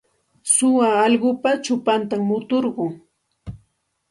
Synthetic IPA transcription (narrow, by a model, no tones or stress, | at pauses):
sʊwaːʎɢʊpat͡ʃʊpant̪amːʊt̪oɾɢʊŋ